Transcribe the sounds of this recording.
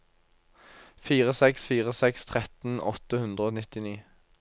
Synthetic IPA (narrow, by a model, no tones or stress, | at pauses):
fiːʁəsɛksfiːʁəsɛkst̪ʰʁɛt̪n̩ɔ̰t̪əhʉnd̪ʁəoːnɪt̪ɪniː